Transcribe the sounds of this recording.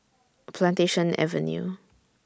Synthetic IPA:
pʰlãnteʃə̃nɛ̰və̰njṵ

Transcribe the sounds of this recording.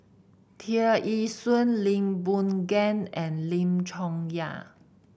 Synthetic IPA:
t̪ʰiəʔisə̃nlĩŋbũnɡɛ̃nɛ̃nlĩmt͡ʃʰɔ̃ŋja̰

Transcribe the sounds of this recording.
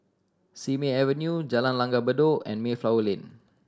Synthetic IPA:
simeɛvənjud͡ʒalanlãŋɡabədoɛ̰̃nmeflawlĩn

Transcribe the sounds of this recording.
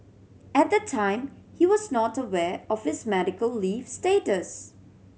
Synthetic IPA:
ɛt̚d̪ətʰãɪ̃mhiwɔznɔtəwɛɔfhɪsmɛɾɪkəlːifstetəs

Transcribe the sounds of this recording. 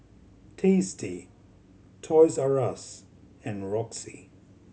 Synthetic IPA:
tʰisti | tʰɔɪzaɹas | ɨ̃nɹɔksḭ

